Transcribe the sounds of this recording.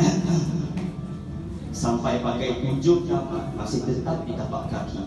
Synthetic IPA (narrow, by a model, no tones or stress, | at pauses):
sampajpakajpuɲd͡ʒʊʔ̚ɲamasɪhd̪ət̪ap̚it̪apaʔkakʰi